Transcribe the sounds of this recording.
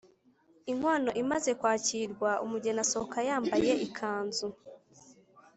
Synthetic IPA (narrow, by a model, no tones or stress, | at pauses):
iŋ̥waːno̞ʔimaze̞kwaːciɾɡwaumuɟenasokajaːmbaje̞ʔikʰaːnzu